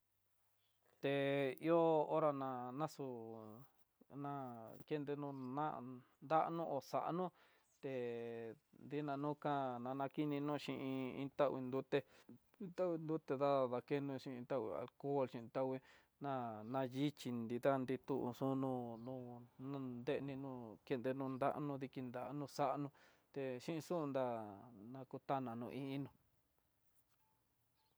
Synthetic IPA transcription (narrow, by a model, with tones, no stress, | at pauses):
t̪e˨i˦o˦o˦ɾa˧nã˧nã˦su˧ | nã˦ke˦nd̪e˧nũ˧nã̰˦˧nd̪a˦ʔnũ˦ʔo˧sa̰˨ʔnũ˦ | t̪e˨ | nd̪i˦nã˧nũ˦kã˦nã˧nã˧ki˦nĩ˧nũ˦˧ʃĩ˧ʔĩ˧ḭ̃˧t̪a˦wi˧nd̪u˦t̪e˧ | i˦t̪a˦wi˧nd̪u˦t̪e˧ða˦˨ða˧ke˦nũ˧ʃĩ˧ʔĩ˧t̪a˦wḭ˧˨a̰˨lko˦˨lʃĩ˧ĩ˧t̪a˦wi˧ | nã˦˧nã˧ji˦t͡ʃi˧nnd̪i˧ða˦˧nd̪i˧t̪u˦˧ʔṵ˧sũ˦nũ˧nũ˧nã˧nd̪e˦ʔnĩ˧nũ˧ke˧nd̪e˧nũ˧nd̪a̰˦ʔnũ˧ði˧ki˧nd̪a˨˧nũ˧sa˦ʔnũ˧ | t̪e˧ʃĩ˦ʔi˧sũ˦˧nd̪a˦˧nã˧ku˧t̪a˦nã˨nũ˧ʔĩ˦ĩ˦nũ˧